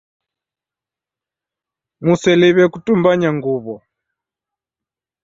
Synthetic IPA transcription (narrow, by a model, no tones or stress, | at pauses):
musɛliβɛkutumbaɲaŋɡuβɔ